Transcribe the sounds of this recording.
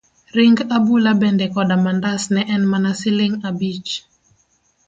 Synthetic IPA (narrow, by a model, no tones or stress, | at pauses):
ɾɪŋɡabulabɛndɛkɔdamandasnɛʔɛnmanasɪlɪŋabit͡ʃ